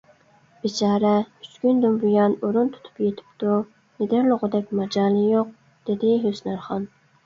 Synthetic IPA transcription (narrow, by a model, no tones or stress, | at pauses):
b̥it͡ʃʰɑːɾɛyt͡ʃkʲynd̪umbujɑnuɾunt̪ʰu̥t̪ʰu̥pjet̪ʰɪ̥pt̪u | ned̪ɪɾlˠʊʁʊd̪ɛkʲmɛd͡ʒɑːlˠijoq̚ | d̪̥ed̪ɪɦøsnæɾχɑn